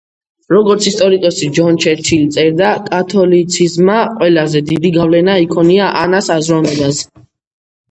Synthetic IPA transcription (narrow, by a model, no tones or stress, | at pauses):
ɾɔɡɔɾt̪sʰist̪ʼɔɾikʼɔsid͡ʒɔnt͡ʃʰɛɾt͡ʃʰilt̪sʼɛɾd̪akʼat̪ʰɔlit̪sʰizmaqʼwɛlazɛd̪id̪iɡavlɛnaikʰɔniaʔanasazɾɔnɛbas